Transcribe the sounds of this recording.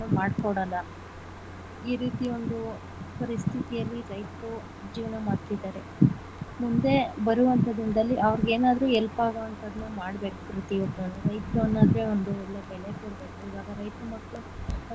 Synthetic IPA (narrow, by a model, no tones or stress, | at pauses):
umaːɽkoɽɐlːɐ | iːɾiːt̪io̞nd̪u | pɐɾist̪ʰit̪ijɐlːid͡ʒɐjt̪u | d͡ʒiːʋnɐmaːɽt̪id̪aːɾe̞ | mund̪e̞bɐɾuʋɐnt̪ɐd̪ind̪ɐlːiʔɐʋɾiɡeːnaːd̪ɾuːɛlpaːɡɐɐnt̪ɐd̪nɐmaːɽbe̞ːkukɾut̪iot̪ɐnuɾɐjt̪ɾuɐnːaːd̪ɾeond̪uelːebɛɭekoɽbe̞ːkuiːʋaːɡɐɾɐjt̪ɾumɐkːu